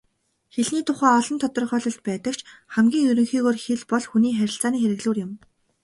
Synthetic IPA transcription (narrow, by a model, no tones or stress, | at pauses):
xeɮniːt̪ʰʊχæːɔɮɞ̆nt̪ʰɔt̪ɞ̆rχœːɮɞ̆ɬt̪̚pæːt̪ə̆kt͡ɕʰχæmɡʲiːŋjɵɾɵ̆ŋxiːɣoːrxeɮpɔɮxuniːxæɾʲɪ̆ɬt͡saːniːxeɾɘ̆ɣɮuːrjʊ̆m